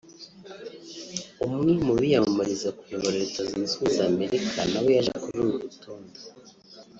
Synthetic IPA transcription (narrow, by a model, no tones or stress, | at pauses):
umŋimuβijamamaɾizakujoβaɾaeɾeːtazinzuizaːme̞ɾikʰanawe̞jaʒḛkuɾuɾuɾutoːndo